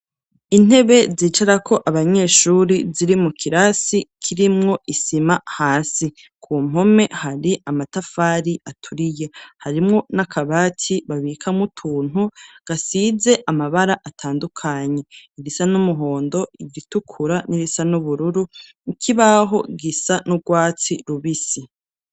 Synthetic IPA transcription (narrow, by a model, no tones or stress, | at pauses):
in̥e̞βe̞ziːt͡ʃaɾakʰo̞ʔaβaɲe̞ːʃuːɾiziɾimukʰiɾasikʰiɾimŋo̞isimahaːsi | kʰuːm̥o̞me̞haɾiʔamatafaːɾiʔatʰuɾije̞haɾimŋo̞nakʰaβaːtʰiβaβikʰamutʰuːn̥uɡ̥asize̞ʔamaβaɾaʔatʰaːndukʰaɲe̞iɾisanumuɦo̞ːndo̞iɡitukʰuɾaniɾisanuβuɾuɾu | ikʰiβaɦo̞ɡisanubɡwaːt͡siɾuβisi